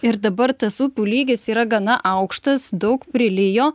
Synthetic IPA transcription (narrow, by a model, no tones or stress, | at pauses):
ɪɾd̪ɐbɐɾt̪ɐsuːpʲuːlʲiːɡʲɪsiːɾɐɡɐnɐʔɐʊkʃt̪ɐsd̪ɒʊkpʲɾʲɪlʲɪjoː